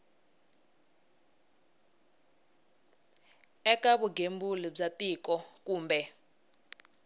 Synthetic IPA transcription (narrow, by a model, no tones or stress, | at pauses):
ɛkaβuɡembulib͡ʐatiːkɔkuːmbɛ